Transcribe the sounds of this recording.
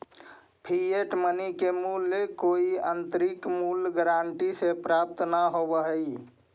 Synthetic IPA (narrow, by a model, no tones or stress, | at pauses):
pʰieʈmənikemulːekoiənt̪əɾikmulɡɾaɳʈisepɾap̚t̪ʰnaɦobəɦəj